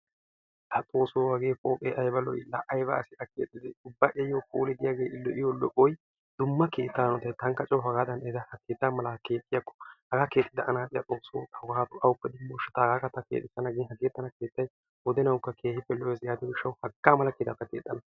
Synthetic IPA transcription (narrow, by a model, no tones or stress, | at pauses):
ʔɐt̪ʼo̞ːsoːɐɡeːkʼoːpʼeːʔɐjbɐlɔ̰jlɐʔɐjbɐːsɪʔɐkeːt̪ʼːɪd̪ɛʊbːɐʔejːoːkʼṵːlɛd̪ɪjaːɡeːʔɪlːɔʔɪjolɔʔɔj | d̪ʊmːɐkeːt̪ːaːnɔt̪ɐjt̪ɐŋkːɐt͡ʃʼɐwɐɡaːd̪ɐnɛd̪ɐhɐkeːt̪ːamɐlɐke̞ːt̪ʼːɪjakːɔ̥hɐɡaːkeːt̪ʼːɪd̪ɐʔɐnaːt̪ʼɪjɐt̪ʼoːsoːɐɡɐhaːt̪ʊʔɐwʊpːɛd̪ɪmːoʃːɛt̪ːɐhɐɡaːkɐt̪ːɐkḛːt̪ʼːɪsɐnɐɡɪnhɐɡɪɛt̪ːɐnɐke̞ːt̪ːɐj | wɔd̪ɛnɐwkːɐkʰe̞ːhɪpːɛlɔɛsjaːd̪ɪwɪʃːɐwhɐɡːaːmɐlɐkeːt̪ːɐt̪ːɐkeːt̪ʼːɐnɐ